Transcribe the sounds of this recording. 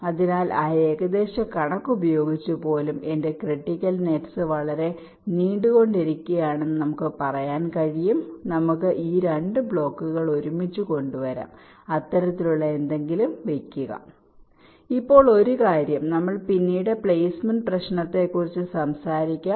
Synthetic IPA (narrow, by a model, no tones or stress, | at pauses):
ɐðinaːlʔaːjeːɣɐd̪e̞ːɕɐkɐɳɐkːubɐjo̞ːɡit͡ɕːupo̞ːlume̞nde̞kriʈːikʲːɐlneʈsɨʋɐɭɐɾe̞ | niːɳɖuɣo̞ɳɖeɾikʲːɐjaːɳe̞nːɨnɐmukːɨpɐrɐjaːnkɐɻijumnɐmukːɨʔiːɾeɳɖɨbɭo̞ːkːuɣɐɭo̞ɾumit͡ɕːuko̞ɳɖuʋɐɾa̰ːm | ɐt̪ːɐɾɐt̪ːiluɭːɐe̞nd̪e̞ŋɡilumʋe̞kʲːuɣɐ̰ | ipːo̞ːɭo̞ɾukaːɾjɐmnɐmːɐɭpinːiːɽe̞pɭejsmenprɐɕnɐt̪ːe̞kːurit͡ɕːɨsɐmsaːɾikʲːa